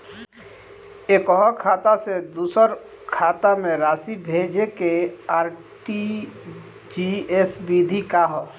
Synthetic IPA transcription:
eːkɔɦɔkʰaːt̪ased̪uːsəɾ | kʰaːt̪amẽɾaːsibʱeːd͡ʒekeaːɾ | ʈi | d͡ʒiesbid̪ʱikaɦɔ

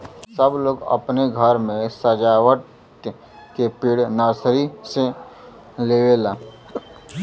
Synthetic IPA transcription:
səbloːɡə̰pneɡʱəɾmẽsəd͡ʒaːwəʈ | kepiːɽnaːsɾise | leːʋelaː

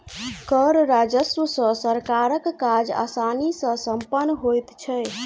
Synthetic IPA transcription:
kəɾɾad͡ʒəswəsə̃səɾkaɾəkːad͡ʒa̰sanisə̃səmpənːɦojt̪t͡ʃʰɛ

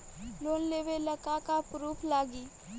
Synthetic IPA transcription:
loːnleːʋeləkakapɾuːpʰlaːɡiː

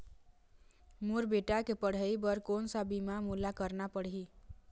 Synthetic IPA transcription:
muɾbeʈakepəɽ̤əjbəɾkonsabimamulakəɾnapəɽi

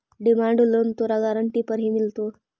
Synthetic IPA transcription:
ɖimaɳɖulont̪oɾaɡaɾəɳʈipəɾɦimilt̪o

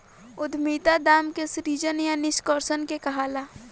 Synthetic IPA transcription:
ʊd̪ʱmiːt̪ad̪aːmkesɾiːd͡ʒənjanɪskɔːɾsənkekɐɦaːlaː

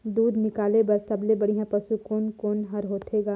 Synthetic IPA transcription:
d̪uːd̪nɪkaːlebɐɾsɐblebɐɽ̤iɦãpɐsukoːnkoːnɦɐɾɦoːt̪ʰeːɡaː

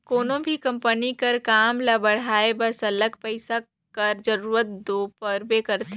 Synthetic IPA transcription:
koːnõbʱikɐ̃mpənikɐɾkaːmlabɐɽ̤aːebɐsɐləɡpəɪsa | kɐɾd͡ʒɐɾuːɾət̪̚d̪oːpəɾbekɐɾt̪e

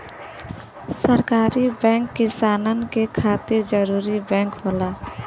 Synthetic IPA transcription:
səɾkaːɾibɛ̃ːŋkːɪsaːnənkekʰaːt̪ed͡ʒəɾuːɾibɛ̃ːŋkɦoːlaː

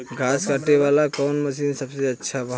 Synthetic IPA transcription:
ɡʱaskəʈeβalakɔnməsinsəbseətːʃʰabə

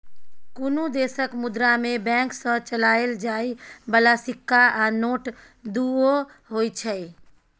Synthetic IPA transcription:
kunud̪esəkmud̪ɾamebɛ̃ŋksə̃t͡ʃəlaeld͡ʒaibəlasikːaʔanoʈ | d̪uo | ɦojt͡ʃʰəj

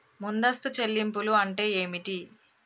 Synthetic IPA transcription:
mund̪ɐst̪ut͡ʃe̞lːimp̬uluɐɳʈe̞ːeːmiʈi

